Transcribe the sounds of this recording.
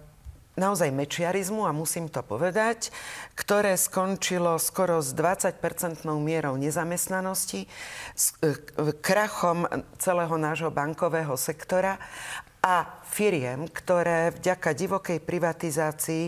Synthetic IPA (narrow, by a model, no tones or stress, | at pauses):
naɔzajmɛt͡ʃɪaɾizmuamusiːmt̪ɔpɔʋɛd̪ackt̪ɔɾɛːskɔnt͡ʃilɔskɔɾɔzd̪ʋat͡sac̚pɛɾt͡sɛnt̪nɔʊmɪɛɾɔʊɲɛzamɛst̪nanɔscis | kɾaxɔmt͡sɛlɛːɦɔnaːʒɦɔbaŋkɔʋɛːɦɔsɛkt̪ɔɾa | afiɾɪɛmkt̪ɔɾɛːvɟakaɟiʋɔkɛjpɾiʋat̪izaːt͡sii